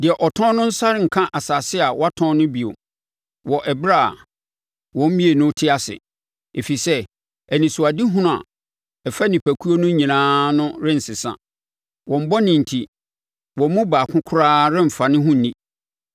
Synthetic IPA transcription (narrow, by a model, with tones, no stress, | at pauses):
dɪ˨ɛ˨ʔɔ˨tʰɔ̃˦nʊ̃˦n̩˦sa˦ɾɪ˦ŋ̩˨kʰã˦ʔa˨sa˨sɪ˦a˨wɔ˦a˦tʰɔ̃˦nʊ̃˦bi˨o̰˨ | wɔ˨ʔɛ˨bɾa̰˦˨ | wɔ̃˨˦m̩˦mĩ˦e˨nʊ̃˦tʰɪ˦a˨sɪ̰˨ | e˨fi˨sɛ˦ | ɛ˨nĩ˨sʊ˨a˨di˦ɦũ˦ʊ̃˦˨a̰˨ | ɛ˨fa˦nĩ˨pʰæ˨kʰu˦o˦nʊ̃˦ɲĩ˨nãː˦nʊ̃˦ɾɪ̃˦n̩˨sɪ˨sã̰˦ | wɔ̃˨m̩˦bɔ˦nɪ̃˨n̩˨tʰi˨ | wɔ̃˨mʊ̃˦baː˨kʰʊ̃˦kʰʊ˦ɾaː˦ɾɪ̃˦m̩˨fa˨nɪ̃˦ɦʊ̃˦n̩˨nĩ˦